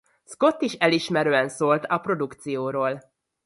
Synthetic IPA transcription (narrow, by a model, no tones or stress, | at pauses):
sko̞t̪ːiʃɛliʃmɛɾøːɛnsoːlt̪ɒpro̞d̪ukt̪sijoːɾoːl